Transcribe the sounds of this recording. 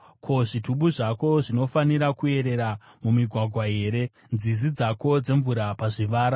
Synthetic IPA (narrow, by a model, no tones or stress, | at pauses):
kʰo̞ʐituɓuʐako̞ʐino̞faniɾakue̞ɾe̞ɾa | mumiɡʱwaɡʱwaɦe̞ːɾe̞ | nd͡zizid͡zako̞d͡ze̞ɱvuɾapaʐiʋaːɾa